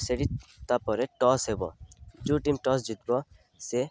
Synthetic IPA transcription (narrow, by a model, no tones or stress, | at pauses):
seɽit̪apɔɾeʈɔsɦebɔ̰d͡ʒuʈimʈɔs̬d͡ʒit̪̚bɔ | se